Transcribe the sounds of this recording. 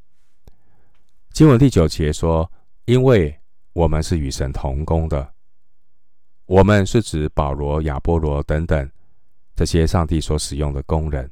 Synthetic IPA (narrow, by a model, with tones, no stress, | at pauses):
t͡ɕi˥nwə˧˥nt̪i˥˩t͡ɕjo˨˩ʊt͡ɕjɛ˧˦˥ʂwɔ˥ | i˦˥nwe˥˩ɪ | wɔ˨˩mə˦nʂɻ̩˥˩y˨˩ʂə̰˧˦˥nt̪ʰʊ˧˥ŋkʊ˥ŋd̪ə˨ | wɔ˨˩mə˦nʂɻ̩˥˩ʈ͡ʂɻ̩˨˥pɑ˨˩ʊlwɔ˧˦˥ja˨˩pwɔ˧˥lwɔ˧˥t̪ə˧˥ŋt̪ə˨˩ŋ | ʈ͡ʂɤ˥˩ɕjɛ˦ʂɑ˥˧ŋt̪i˥˩swɔ˧˥ʂɻ̩˨˩jʊ˥˩ŋd̪ə˩kʊ˥ŋɻə˧˦n